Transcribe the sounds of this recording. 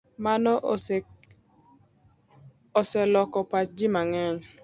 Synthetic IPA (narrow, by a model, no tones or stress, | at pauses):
manɔʔ | ɔsɛlɔkɔpat͡ʃd͡ʒimaŋɛɲ